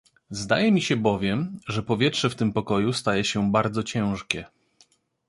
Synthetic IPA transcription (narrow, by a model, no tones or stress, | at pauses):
zd̪a̰jɛmʲiɕɛbɔvʲjɛmʐɛpɔvʲjɛtʂɛft̪ɘmpɔkɔjust̪ajɛɕɛbaɾd̪zɔt͡ɕɛ̃w̃ʂkʲɛ